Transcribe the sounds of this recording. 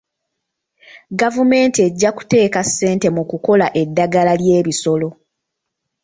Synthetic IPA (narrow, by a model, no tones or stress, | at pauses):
ɡavume̞ːntie̞ɟːaku̥te̞ːkasːe̞ːnte̞mukuko̞laʔe̞dːaɡalalje̞ːβiso̞lo̞